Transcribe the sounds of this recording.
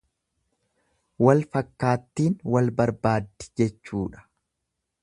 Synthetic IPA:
wɐlfɐkːaːt̪ːiːnwɐlbɐɾbaːd̪ːɪ̥d͡ʒɛt͡ʃːuːᶑɐ̥

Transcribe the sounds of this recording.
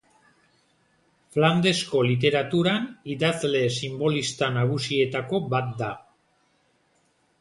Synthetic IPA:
fland̪e̞sko̞lit̪̬e̞ɾat̪uɾaniðazle̞simbo̞list̪anaɣ̞usie̞t̪ako̞bat̪̚d̪a

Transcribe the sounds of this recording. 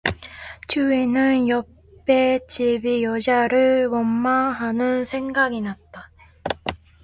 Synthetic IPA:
t͡ɕuenɯnjʌ | pp͈et͡ɕibijʌd͡ʑaɾɯɭkomːaɦanɯnsʰe̞ŋɡaɡinat̚t͈a

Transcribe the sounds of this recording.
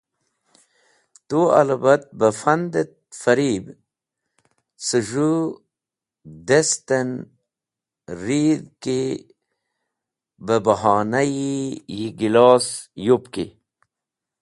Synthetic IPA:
t̪ua̰labat̪̚bəfand̪et̪̚fɐɾiːb | səʐu | d̪est̪en | ɾiːd̪ki | bəbəɦaːnajijiɡilɑːsjupkḭ

